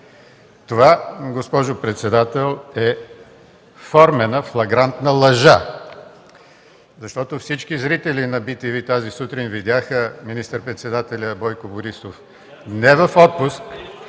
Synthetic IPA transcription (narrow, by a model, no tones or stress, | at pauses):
t̪ovaɡospɔʒopɾɛt̪sɛd̪at̪ɛlˠɛ | fɔɾmɛnəflˠɐɡɾant̪nəlˠɐʒa | zɐʃt̪ɔt̪ofsit͡ʃkizɾit̪ɛlinɐbit̪ivit̪azisut̪ɾinvid̪ʲaxəminist̪əɾpɾɛt̪sɛd̪at̪ɛlʲəbɔjkʊbʊɾisof | nɛvɐfɔt̪̚pusk